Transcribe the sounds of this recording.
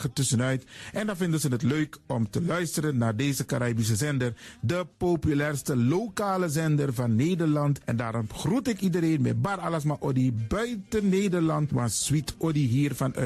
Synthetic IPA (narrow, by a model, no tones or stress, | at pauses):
ətʏsənœɥtʔɛndɑnvɪndənzənətløɥkɔmtəlœɥstəɾənːaːɹdejzəkaɾaːbis̬əzɛndərdəpopylɛːrstəlokaːləzɛndərvɑnːeːjdəɹlɑntɛndaːɾɔmχrutɪkidəɾeːnmɛ̰baɾaləs̬maʔɔdibœɥtənːeːdəɹlɑntʋɑsz̥witɔdiɦiːrfɑnœ̰